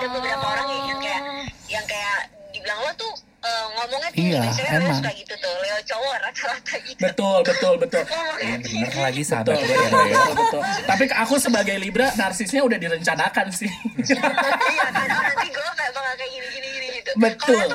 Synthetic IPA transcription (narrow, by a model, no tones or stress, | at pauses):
daməbɾapaoɾaŋjait̪ukajaʔjaŋkajaʔdiblaŋlɔt̪ʊ | əːŋomuŋanijaamaaɡit̪ut̪ʊt͡ʃowɔɾakalat̪ʰaɡibət̪ʊlbət̪ʊlbət̪ʊlabənərlaɡisəa̰ʊləəb̪lət̪ʊlt̪ap̬ikakusəbaɡajlibɾanarsɪsɲaudahdiɾəɲt͡ʃanakansɪ | ikulokaaʔməŋakajiniɡiniiniɡit̪ubət̪ʊl